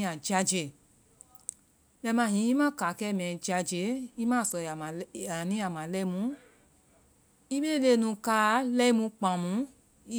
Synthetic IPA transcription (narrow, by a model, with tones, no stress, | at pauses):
a˨d͡ʒa˧d͡ʒe˨ | mɛ̃˧˨mã˧˨ɦĩ˨˦i˦mã˦ka˨˦kɛ˦˨mɛ̃˨d͡ʒa˧d͡ʒe˨˦i˦mã˦˨sɔ˧˨a˨nĩ˦a˨mã˨lɛ˦mũ˨˦ | i˦me˦le˦˨nũ˧ka˧˨˦lɛ˦mũ˧k͡pã˨mũ˨˦